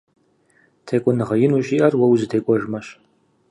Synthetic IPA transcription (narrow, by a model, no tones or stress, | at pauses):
tʰeːkʷʼʊnɨʁɐjɪnuɕʼiʔɐrwɐwuzɨtʰejkʷʼɔʒmɐʃ